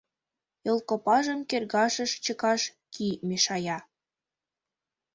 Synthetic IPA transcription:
jolˠkopɑʒəmkerɣɑʃə̆ʃt͡ɕəkɑʃ | kʰimeʃɑjɑ

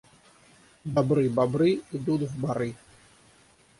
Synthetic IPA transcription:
d̪ɐbɾɨbabɾɨɪd̪ut̪vbɐɾɨ

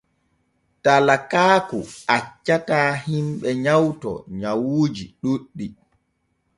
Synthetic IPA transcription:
talakaːkuat͡ʃːataːhimɓɛɲawtɔ̰ɲawoːd͡ʒiɗuɗːi

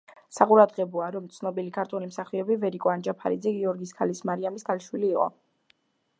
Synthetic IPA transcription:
saqʼuɾad̪ʁɛbɔaɾɔmt̪sʰnɔbilikʰaɾt̪ʰulimsaχiɔbivɛɾikʼɔand͡ʒapʰa̰ɾid̪zɛɡiɔɾɡiskʰalismaɾiamiskʰaliʃwiliːqʼɔ̰

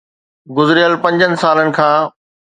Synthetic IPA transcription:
ɡʊzɾɪjəlpɐ̃ɲd͡ʑənɪ̆saːlənɪ̆kʰãː

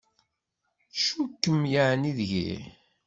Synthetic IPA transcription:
ʃukːəmjaʕniðʝḭ

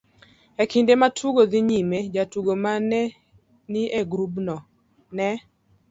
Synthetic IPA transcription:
ɛkindematʰuɡod̪iɲimed͡ʒatuɡomanɛ | nieɡɾubnɔ | nɛ

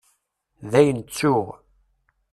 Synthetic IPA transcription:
ðæjənt͡sːʊʁ

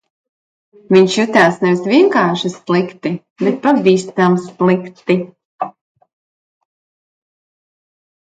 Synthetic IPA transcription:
viɲʃjut̪ʲaːsnɛvisvʲiɛŋkaːʃislˠikt̪i | bɛt̪̚pavʲiːst̪amslikt̪i

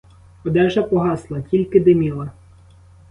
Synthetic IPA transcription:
ɔd̪ɛʒɐpɔɦɑslˠɐtʲilʲkɪd̪emʲilˠɐ

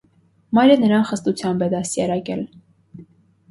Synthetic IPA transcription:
mɑjɾɛnəɾɑnχəst̪ut͡sʰjɑmbɛd̪ɑsjɑɾɑkɛl

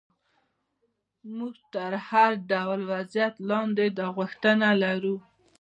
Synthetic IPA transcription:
muɡt̪əɾhaɾɖawlwazjat̪lɑnd̪ed̪əɣʊxt̪ənalaɾu

